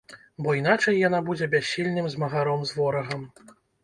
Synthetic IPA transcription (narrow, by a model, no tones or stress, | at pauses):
bɔin̪at͡ʂɐjːanabud͡zʲɛbʲaɕʲːilʲnɨmzmɐɣaɾɔmzvɔɾɐɣɐm